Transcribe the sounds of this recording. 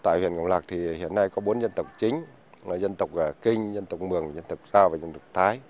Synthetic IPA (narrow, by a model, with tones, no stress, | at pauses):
t̪a̰ː˧˨jhwḭ˧˨ənŋə̰˧˨wŋ͡mlaː˨˩k̚t̪ʰi˨˩hḭ˧˨ənːa˧jkɔ˨˦ɓo˨˦nzə˧nt̪ə˨˩wk͡p̚t͡ɕï˨˦ŋ̟˨˩ | zə˧nt̪ə˨˩wk͡p̚ʔə˨˩kï˧ŋ̟zə˧nt̪ə˨˩wk͡p̚mɨ˨˩əŋzə˧nt̪ə˨˩wk͡p̚zaː˧wvaː˨˩zə˧nt̪ə˨˩wk͡p̚t̪ʰaː˨˦j